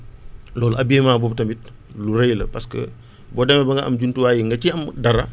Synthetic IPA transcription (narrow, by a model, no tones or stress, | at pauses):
lɔːlɐbieːmaːbɔb̚tɐmit̚ | luɾejlə̰pɐskə̰ | bɔːdɛmɛbɐŋɡɐʔɐ̰mɟuntuwaːjiŋɡɐt͡ʃiɐmdɐɾɐ